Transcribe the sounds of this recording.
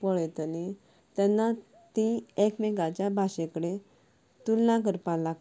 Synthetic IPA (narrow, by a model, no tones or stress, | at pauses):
pɔɭɛt̪əni | t̪ɛnːa | t̪ĩekmɛɡat͡ɕjabʱaɕẽkəɽe | t̪ulːãkəɾpala